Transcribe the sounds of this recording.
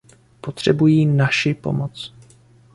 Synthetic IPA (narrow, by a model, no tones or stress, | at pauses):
pot̪r̝̥ɛbujiːnaʃɪpo̞̰mot͡s